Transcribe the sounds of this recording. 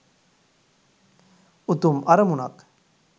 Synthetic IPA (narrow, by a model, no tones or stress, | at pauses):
ut̪umʔɐɾɐmunɐ̰k